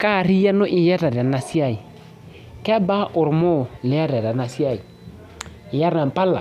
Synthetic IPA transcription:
ka˦˨ri˦ja˦nʊ˦ʔɪ˨jɛ˦ɾa˨ɾa˨na˨si˦a˦˨i˨ | kɛ˦ba˦ʔʊ˨ɾmʊ˦˨lɪ˨˦a˦ɾa˨ɾa˨na˨si˦a˦˨i˨ | ɪ˨ja˦ɾna˨m̩˨pa˦la̰˨

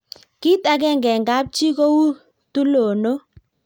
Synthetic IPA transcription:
ki˦ta˨kɛ˦˨ŋɡɛ˨ŋɡa˨˦p̚t͡ʃi˦ko˦wu˦ | tu˦lo˨no˦

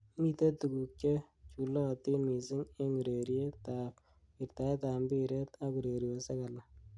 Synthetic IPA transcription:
mi˨te˦tu˨ku˨k̚t͡ʃe˦t͡ʃu˨lɔ˦ti˦mi˨sɪ˦ŋe˦ŋu˨ɾe˨ɾje˦ta˨p | ɪ˨rta˨e˦ta˨mbi˦ɾe˦t̪a˦ku˨ɾe˨ɾi˨wo˨se˦ka˨la˦

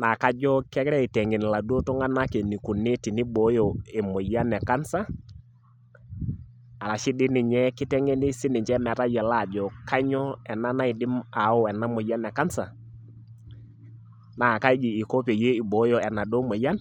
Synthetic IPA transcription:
na˨ka˦d͡ʒɔ˦kɛ˦kɾɛ˦i˨tɛ˨ŋe˨n˨la˨do˦tɔ˦ŋa˦na˦ke˨ni˨ku˨ne˦ti˨ni˦bo˨˦jo˨e˨mo˨ja˦nɛ˨ka˦nsa˦ | a˨ɾa˨ʃi˦dɪ˦nɪ˨ɲɛ˦kɪ˦tɛ˦ŋe˦ni˦sɪ˦nɪ˨ɲt͡ʃɛ˦mɛ˨ta˦jɛ˨la˦˨d͡ʒɔ˨ka˦ɲɔ˦ɛ˨na˦na˦ɪ˨dɪ˦ma˨ɔ˦ɛ˨na˦mo˨ja˦nɛ˨ka˦nsa˨ | na˨ka˦d͡ʒiː˨ko˦pe˨je˦i˨bo˨˦jɔ˨ɛ˨na˨do˦mo˨ja˦n

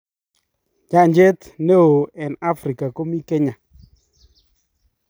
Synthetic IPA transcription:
d͡ʒa˦ɲd͡ʒe˦tne˦o˨ɛ˨na˦fɾi˨ka˨ko˦mi˦ke˦ɲa˨

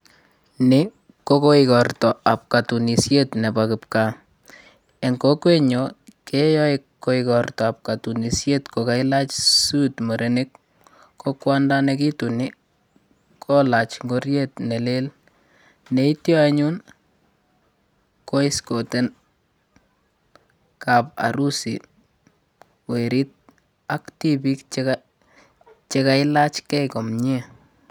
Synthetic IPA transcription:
ne˦ | ko˦ko˦ɪkɔrtɔ˨a˨p̚katu˨ni˨sjetnɛ˨bakɨ˨p̚ka˨ | ɛ˨ŋko˦kwe˦ɲɔ˨kɛ˦jɔ˦ɪkːo˦ɪkɔrtɔ˨a˨p̚ka˨tu˨ni˨sje˦tkoka˦i˦la˦t͡ʃsu˦tmɔ˨ɾʔenɪkː | o˦kwa˦nda˦nɛki˦tu˨ni˦ | kʰɔ˦la˨t͡ʃŋɡo˦ɾjetnɛ˨le˦l | nɛ˦i˦tjɔ˦aɲu˦n | ko˦i˦skɔ˨tɛ˦n | kapa̰˨ɾu˦sḭ˨ | we˨ɾit̚ | a˦kti˦bi˦kt͡ʃka | t͡ʃe˦ka˦ɪla˦t͡ʃkɛ˦kɔ˨mɲe˦

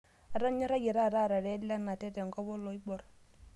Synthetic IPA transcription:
a˨ɾa˦ɲɔ˦ɾa˦jɛ˨ɾa˦˨ɾa˦˨ɾa˨ɾɛ˨˦la˦na˨tɛ˦tɛ˨ŋkɔ˦bɔ˦lɔ˨i˦bɔ˨ɾ

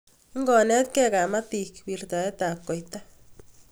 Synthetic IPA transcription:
ŋɡɔ˨nɛ˦t̪̚kɛ˦ka˨ma˦t̪i˨kwi˨rt̪a˨ɛ˦t̪a˨kːo˨jt̪a

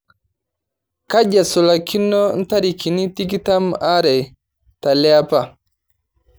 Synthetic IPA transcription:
ka˦ɟa˨su˨lakʰi˦nːɔ˦n̩˦ta˦ɾi˨ki˨ni˦tiɡi˦ta˦ma˦ɾɛ˨j | ta˨lɛapa˨

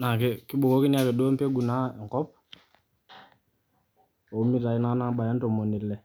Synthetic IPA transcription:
na˨kɛ˦ki˦ɓo˨ko˦ki˦ni˦a˦˨kɛ˨do˦mpe˦ɡu˨na˦ɛ˨ŋkɔ˦p̚ | o˨˦mi˦ɾa˨i˦na˦na˦ba˨ja˦nto˨mo˨ni˨lɛ˨

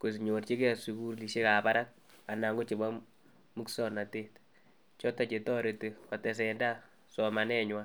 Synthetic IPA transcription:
ko˨s̬i˨ɲo˨rt͡ʃi˦kɛ˦su˨ku˦ɾli˨ʃe˦ka˨pa˦ɾa˦k̚ | a˨na˨ŋɡo˦t͡ʃe˨ba˦ | mu˦ksɔ˦˨na˨te˦t | t͡ʃɔ˦ta˨t͡ʃe˨tɔ˦ɾe˨te˨ɔ˨tɛ˨s̬ɛ˨nda˦ | sɔ˨ma˨nɛ˦ɲwa˦

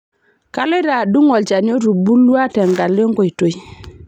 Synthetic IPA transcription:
ka˦lo˦ɾa˨du˦ŋɔ˨lt͡ʃa˨n˦o˦ɾu˨bu˦lːu˦a˦tɛ˨ŋɡa˨le˦ŋɡo˨i˨to˨i˦

